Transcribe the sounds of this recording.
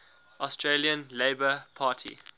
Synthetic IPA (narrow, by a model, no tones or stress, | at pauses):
ʔɔstʰɹeliə̃nleɪbəpʰaːˑtʰḭ